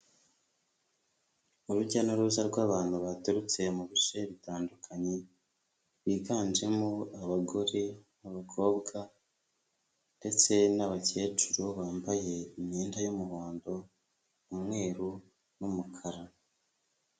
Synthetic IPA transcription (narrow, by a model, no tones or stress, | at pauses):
uɾuɟanoɾuzaɾɡwaːβaːnhuβatuɾut͡se̞muβiʃe̞βitaːndukʰaɲe | βiːɡaːnd͡ʒe̞moaβaɡoɾinaβakʰo̞ːbɡa | nde̞t͡se̞naβace̞ːt͡ʃuɾoβaːmbaje̞imɲiːndajomuβaːndo̞ | umŋe̞ːɾu | numukʰaɾa